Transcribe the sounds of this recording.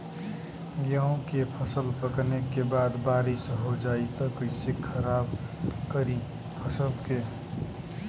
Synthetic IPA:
ɡjaːõkepʰəsəlpəknekebaːd̪baːɾɪsɦod͡ʒaːit̪akoɪsekʰəɾaːb | kəɾĩ | pʰəsəlke

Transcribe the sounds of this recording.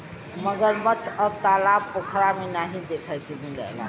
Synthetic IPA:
məɡəɾmət͡ʃʰəb̚t̪alab̚pokʰɾamenaɦĩd̪ekʰət̪ibilə̰la̰

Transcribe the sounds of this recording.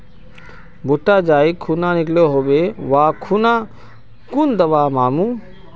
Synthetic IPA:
bʊʈːaːd͡ʒaːikʰːunaːnɪkloɦoːbeʋaːkʰunãː | kund̪əʋaːmaːmũː

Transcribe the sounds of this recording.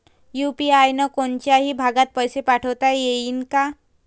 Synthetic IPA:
jupiajnəkont͡ɕjaɦibʱaɡat̪̚pəjsepaʈʰəwt̪ajeinka

